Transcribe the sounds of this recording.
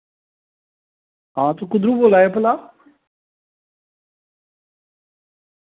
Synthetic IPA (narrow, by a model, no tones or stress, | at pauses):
ãːt̪ukʊd̪ɾuboːlaːjepəlaː